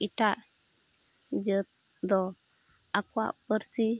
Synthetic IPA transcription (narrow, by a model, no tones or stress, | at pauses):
ita | d͡ʒə | d̪o | akwa̰pəɾsi